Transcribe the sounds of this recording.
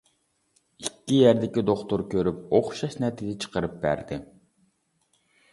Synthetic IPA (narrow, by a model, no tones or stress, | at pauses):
ikʲːijæɾd̪ɪkʲid̪oχt̪oɾkʲʰøɾypoχʃɑʃnɛt̪ʰid̪ɪt͡ʃʰə̥qəɾɨp̚bæ̰ɾd̪ɪ